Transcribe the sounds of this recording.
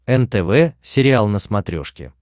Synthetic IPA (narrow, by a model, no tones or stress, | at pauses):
ɛnt̪ɛvɛsʲɪɾʲɪalˠnəsmɐt̪ɾʲo̰ʂkʲɪ̰